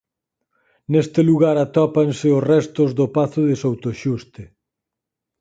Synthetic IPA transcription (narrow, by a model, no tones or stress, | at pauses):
nest̪ɪluɣaɾat̪ɔpansɪʊsrɛst̪ozðʊpaθʊðɪsowt̪oʃust̪ɪ